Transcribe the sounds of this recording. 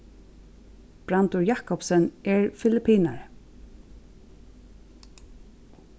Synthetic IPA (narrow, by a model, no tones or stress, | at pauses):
b̥ɾant̪ʊɹjakɔpsənɛɹfɪlɪpʰiːna̰ɹ